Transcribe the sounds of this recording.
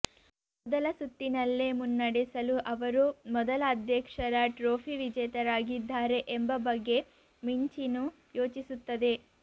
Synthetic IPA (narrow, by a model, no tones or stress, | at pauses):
mɔd̪ɐlɐsut̪ːinɐlːemunːɐɽisɐluʔɐʋɐɾumɔd̪ɐlɐːd̪ʱjɐkʂɐɾɐʈɾoːpʰiʋid͡ʒɐjt̪ɐɾaːɡid̪ʱːaːɾe̞ʔembɐbɐɡːe̞ | miɲt͡ʃinu | jo̞ːt͡ʃisut̪ːɐd̪e̞